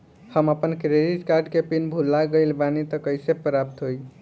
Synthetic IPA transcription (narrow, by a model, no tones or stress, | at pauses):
həməpənkɾeɖiʈkaɾɖkepinbʱulːaɡəɪlbanit̪ʌkəjsepɾap̚t̪ɦoj